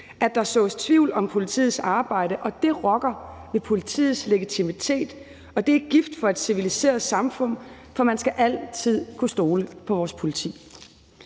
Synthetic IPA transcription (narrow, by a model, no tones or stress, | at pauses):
æd̥ɑ̈sɔ̰̽ːst͡sʰʋiʊ̰lɒ̽mpʰo̝lit͡sʰḭːð̩ˠsɑ̈ːb̥ɑ̈ɪ̰ɾəʔɒ̽d̥e̝ʁɒ̽ɡ̥ɐʋepʰo̝lit͡sʰḭːð̩ˠsle̝ɡ̥it͡sʰimit͡sʰe̝̰ːd̥ | ɒ̽d̥e̝æɡ̥ifd̥fɒ̽æd̥siʋilise̝̰ːɐðsɑ̈mfɔ̽n̰ | fɒ̽mænsɡ̥æʔæl̰t͡sʰið̰ˠkʰusd̥o̝ːləpʰɒ̽ʋɒːspʰo̝lit͡sʰḭː